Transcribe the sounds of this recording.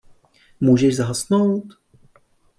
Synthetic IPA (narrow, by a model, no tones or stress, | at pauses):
muːʒɛʃzaɦasnowt̪